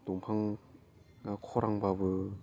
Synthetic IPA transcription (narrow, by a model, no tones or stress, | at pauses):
tuŋpʰaŋ | akʰɔɾʔaŋbabɯ